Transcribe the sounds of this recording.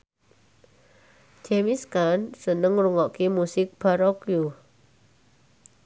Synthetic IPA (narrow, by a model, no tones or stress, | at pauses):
d͡ʒemiskansənəŋɾuŋɔʔkimusɪk̚b̥aɾɔkju